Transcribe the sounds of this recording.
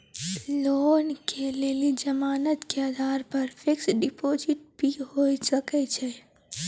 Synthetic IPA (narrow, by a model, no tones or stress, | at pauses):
loːnkelelid͡ʒəmaːnət̪keəd̪ʱaːɾpəɾpʰeksɖipod͡ʒiʈ̚bʱiɦosəkɛt͡ʃʰɛ